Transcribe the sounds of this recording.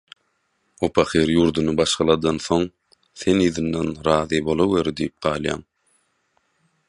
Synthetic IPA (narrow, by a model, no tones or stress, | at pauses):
opʰɑχeɾjuːɾd̪unɯbɑʃqɑlˠɑd̪ɑnθo̞ŋ | θe̞niːðɯnd̪ɑnɾɑːðibo̞lˠoweɾd̪ijip̚ɢ̥ɑːlˠjɑ̰ːŋ